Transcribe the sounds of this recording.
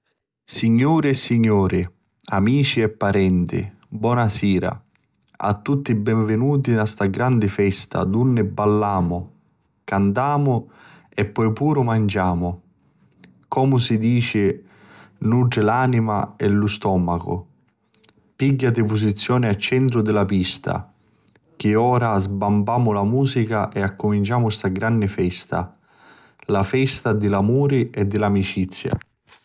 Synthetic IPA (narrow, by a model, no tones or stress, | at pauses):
siɲːuːɾɪɛsːiɲːɔːɾɪ | amiːt͡ʃiɛpːaɾɛnt̪ɪ̰ | bwɔːnasiːɾa̰ | a̰t̪ːut̪ːibɛɱvɪnuːt̪̬iast̪aɡɾand̪ɪfɛst̪ʰa̰d̪unːɪbːalːaːmʊ | kant̪aːmʊ | ɛpːɔjpuːɾʊmand͡ʒaːmʊ | kɔːmʊsid̪iːt͡ʃɪ | nud͡ʒɪlaːnima̰ɛlʊst̪ɔːmakʊ̰ | piɡːat̪ɪpʊsit̪sːjɔːnɪat͡ʃːɛnt̪ɾʊd̪ɪlapist̪a̰ | k̟ɪɔːɾazbambaːmʊlamuːsikaʔɛakːʊmint͡ʃaːmʊst̪aɡɾanːɪfɛst̪a̰ | lafɛst̪ad̪ɪlamuːɾiɛd̪ːɪlamit͡ʃit̪sːja̰